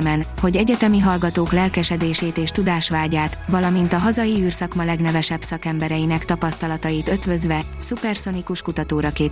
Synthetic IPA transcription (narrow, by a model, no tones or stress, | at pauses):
mɛnho̞ɟɛɟɛt̪ɛmiɦɒlɡɒt̪oːklɛlkɛʃɛd̪eːʃeːt̪eːʃt̪ud̪aːʃʋaːɟaːt̪ʋɒlɒmint̪ɒɦɒzɒjiyːrsɒkmɒlɛɡnɛvɛʃɛbsɒkɛmbɛɾɛjinɛkt̪ɒpɒst̪ɒlɒt̪ɒjit̪ø̞t̪vø̞zʋɛ | supɛrso̞nikuʃkut̪ɒt̪oːɾɒkeː